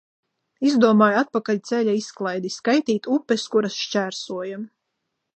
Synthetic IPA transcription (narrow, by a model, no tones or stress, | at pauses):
izd̪uɔmaːjat̪̚pakaʎʲt̪sɛlʲaisklˠajd̪iskajt̪iːt̪upːɛskuɾasʃt͡ʃʲæːɾsuɔjam